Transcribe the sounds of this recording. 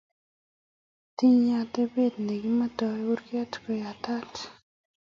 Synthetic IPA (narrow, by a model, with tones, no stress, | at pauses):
ti˦ɲa˨te˦be˦˨dne˨ɡi˦ma˦tɔ˨ɛ˦u˦ɾka˦tko˨ja˨ta˦t